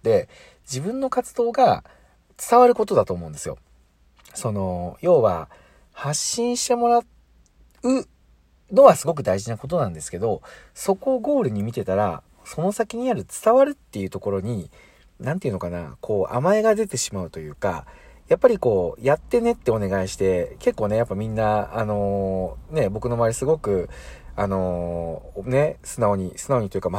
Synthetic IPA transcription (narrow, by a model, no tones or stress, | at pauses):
t̪ːe̞ | d͡ʑibɯ̟̃nːo̞kat͡sɨd̪o̞ːɡa | t͡sɨ̥t̪aβaɾɯ̟ko̞t̪o̞d̪at̪o̞ːmo̞ɯ̟̃nd̪e̞sɨjo̰ | so̞no̞jo̞ːβa̰ | haɕːĩɰ̃ɕi̥t̪e̞mo̞ɾa | ɯ̟ | no̞βasɨɡo̞k̬ɯ̟d̪aiʑinako̞t̪̬o̞nãnd̪e̞sɨ̥ke̞d̪o̞so̞ko̞ɡo̞ːɾɯ̟ɲ̟imʲit̪e̞t̪aɾa̰ | so̞no̞sakʲiɲ̟iaɾɯ̟t͡sɨ̥t̪aβaɾɯ̟t̪ːe̞jɯ̟t̪o̞ko̞ɾo̞ɲ̟i | nãnt̪eiɯ̟nokana̰kʰo̞ːʔa̰mae̞ɡad̪e̞t̪e̞ɕimaɯ̟t̪o̞jɯ̟ːka̰japːaɾʲiko̞ːjat̪ːe̞ne̞t̪ːe̞o̞ne̞ɡaiɕi̥t̪e̞ke̞kːoːne̞japːamʲĩnːaːno̞ne̞bo̞kɯ̟no̞maːɾʲisɨɡo̞kɯ̟ano̞ | ne̞sɨnao̞ɲ̟isɨ̥nao̞ɲ̟it̪ojiɯ̟kama